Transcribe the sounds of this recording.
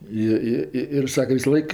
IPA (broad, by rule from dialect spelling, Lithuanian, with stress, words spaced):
ˈɪ ˈɪ ˈɪ ɪr ˈsɑːkʲɛ ʋʲɪsɐˈlˠɐɪk